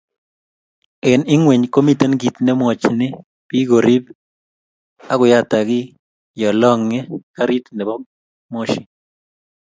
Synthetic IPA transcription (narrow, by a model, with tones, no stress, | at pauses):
e˨nɪ˦ŋwe˨ɲko˦mi˦t̪e˦nɡi˨t̪nɛ˦mwɔ˨t͡ʃnɪ˦ | pi˦ɡo˨ɾi˦b | a˦ɡʊ˨ja˦t̪a˨ɡɪ˦ | jɔ˨lɔ˦ŋe˦ka˦ɾi˦t̪nɛ˨bɔ˦ | mo˦ʃɪ˨